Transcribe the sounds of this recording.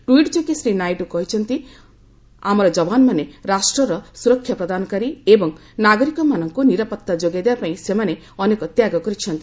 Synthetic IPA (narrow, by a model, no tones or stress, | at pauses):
ʈuiʈd͡ʒokisɾinajʈukɔɦit͡ʃʰɔnt̪i | amɔɾɔd͡ʒɔbanɔmaneɾasʈɾɔɾɔsuɾɔkʰːjapɾɔd̪anɔkaɾiebɔŋ | naɡɔɾikɔmanɔŋkuniɾɔpɔt̪ːad͡ʒoɡad̪ebapaĩsemane | ɔnekɔt̪jaɡɔkɔɾit͡ʃʰɔnt̪i